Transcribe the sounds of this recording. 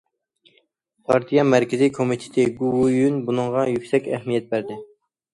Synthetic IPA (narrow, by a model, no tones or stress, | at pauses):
pʰɑɾt̪ʰijɑmæɾkʲʰɪzijkʰomit̪ʰe̥t̪ʰɪɡuwujynbunɨŋʁɑjykʲsɛkʲɛɦmijɛt̪̚bæɾd̪ɪ